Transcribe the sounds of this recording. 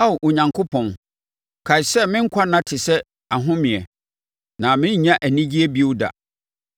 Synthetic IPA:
a˦˨ʔo˨ɲã˨ŋkʰʊ˦pʰɔ̃˨n | kʰa˨ɪ˨ssɛ˦mɪ̃˦ŋ̩˦kʷʰa˦nã˦tʰɪ˨sɛ˦ | a˨ɦʊ̃˦mĩ˨ɛ˨ | nã˨mɪ̃˦ɲ˦ɲã˦ʔæ˨nĩ˦d͡ʑi˦ɛ˦bi˦o˦da̰˨

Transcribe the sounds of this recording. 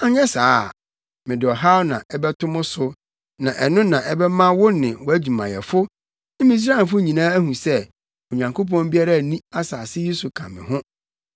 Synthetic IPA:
a˨ɲɛ˦saː˨˦ | mɪ̃˨dɪ˨ɔ˨ɦa˦wnã̰˨ʔɛ˦bɛ˦tʰʊ̃˦mʊ̃˦sʊ˦ | nã˨ʔɛ˨nʊ̃˦nã˨ʔɛ˦bɛ˦mã˦wʊ˦nɪ̃˨wɔ˨æ˦d͡ʑu˨mã̰˨jɛ̰˨fʊ˦ | ɪ̃˦mĩ˦s̬ɾa˦ɛ˨fʊ˦ɲĩ˨nãː˦æ˦hũ˨sɛ˦ | o˨ɲã˨ŋkʰo˦p̬ɔ̃˦m˦bi˦a˦ɾa˦˨nĩ˦a˦saː˨sɪ˦je˦su˨kʰã˨mɪ̰̃˨ɦʊ̃˦

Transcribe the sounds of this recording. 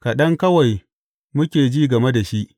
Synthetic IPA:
ka˨ɗɐ˦ŋkɐ˦wa˨j | mʊ˦kʲeː˨d͡ʒiː˦ɡɐ˨me˦da˨ʃi˦ʔ

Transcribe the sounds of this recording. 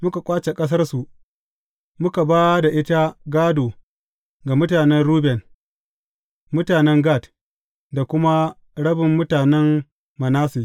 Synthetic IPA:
mʊ˦ka˨kʷʼaː˦t͡ʃe˨kʼɐ˦s̬ɐ˦rsu˨ | mʊ˦ka˨baː˦da˨ʔɪ˦ta˦ɡaː˦doː˨ | ɡa˨mʊ˦taː˨nɛ˦nɾuː˦bɛ˨n | mʊ˦taː˨nɛ˦ŋɡaː˦˨t | da˨kʷʊ˦ma˦ | ɽɐ˦bɪ˨mːʊ˦taː˨nɛ˦m | mɐ˨naː˦si˨

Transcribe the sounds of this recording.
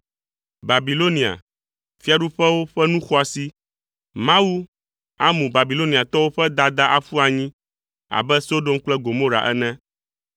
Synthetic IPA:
ba˨bi˨lo˦nĩ˨a̰˨ | fi˦a˨ɖu˦ɸɛ˦wo˦ɸɛ˦nũ˦xɔ˦a˨si˦ | mã˦wu˦ | a̰˦mũ˨ba˨bi˨lo˦ni˨a˨t̪ɔ˦wo˦ɸɛ˦d̪a˦d̪a˦ʔa˨fu˦a˨ɲĩ˦ | a̰˨bɛ˦so˦ɖo˦mk͡plɛ˦ɡo˨mõ˦ɾa̰˨ʔɛ̰˦nɛ̃˦

